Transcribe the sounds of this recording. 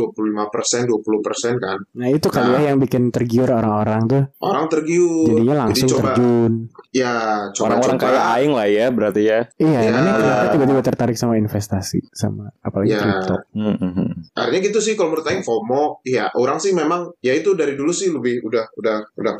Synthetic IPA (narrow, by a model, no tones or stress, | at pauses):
uapululimapərsɛnduapuluhpərsɛnkannait̪ukaliajaŋbikɪnt̪ərɡiʊɾoɾaŋoɾaŋt̪ʊʔo̰ɾaŋt̪ərɡiʊd͡ʒadiɲalaŋsiʊŋt͡ʃotərbad͡ʒunjat͡ʃooɾaŋoɾaŋkajakaɪŋlahjabəɾart̪ijaijaanamakat̪ibaʔt̪̬ibaʔt̪ərt̪aɾɪk̚samainfɛst̪asḭsa̰maːpalaɡjiaɾit̪ɔ̰ | a̰rt̪iɲaɡit̪usɪhkaloməɾʊt̪aɪŋfomɔjaʔuɾaŋsɪhmemaŋjait̪udaɾidulusɪhləbɪhudahudahudah